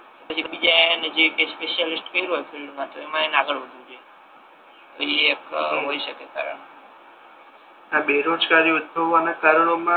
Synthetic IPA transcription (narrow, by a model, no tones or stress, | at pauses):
t̪opət͡ʃʰikəbid͡ʒaned͡ʒekespeʃalɪsʈkəiɾɦojfʰilɖmãt̪oemãenaɡəɭʋəd̪ʱũd͡ʒʰe | t̪o̰iekɦoiʃəkeka̰ɾə̰ɳk | abeɾod͡ʒkaɾiʊd̪̚bʱəʋanakaɾəɽomã